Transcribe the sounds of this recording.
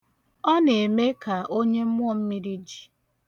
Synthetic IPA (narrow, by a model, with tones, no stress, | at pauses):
ɔ˦ne˨me˦ka˨ʔo˦ɲe˦m̩˦m˦ɔ˦˨m̩˦mi˦ɾi˦d͡ʒi̥˨